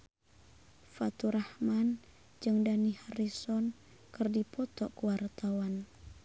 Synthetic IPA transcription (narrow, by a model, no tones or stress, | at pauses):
fat̪uɾahman | d͡ʒɨŋdanihaɾisɔn | kɨrdipɔt̪ɔkəwart̪awan